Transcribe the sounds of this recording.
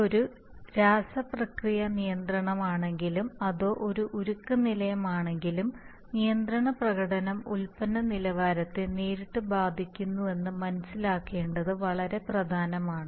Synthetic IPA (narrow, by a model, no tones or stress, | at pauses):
o̞ɾu | ɾaːsɐprɐkrijɐnijɐnd̪rɐɳɐmaːɳe̞ŋɡilumɐðo̞ːʔo̞ɾuʔuɾukːɐnilɐjɐmaːɳe̞ŋɡilum | nijɐnd̪rɐɳɐprɐɣɐɽɐnɐmulpɐnːɐnilɐʋaːɾɐt̪ːɨneːɾiʈːɨbaːd̪ʱikʲːunːue̞nːɨmɐnɐsːilaːkːe̞ːɳɖɐðɨʋɐɭɐɾe̞prɐd̪ʱaːnɐmaːɳɨ